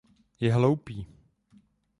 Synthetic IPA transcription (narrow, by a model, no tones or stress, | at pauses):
jɛɦlowpiː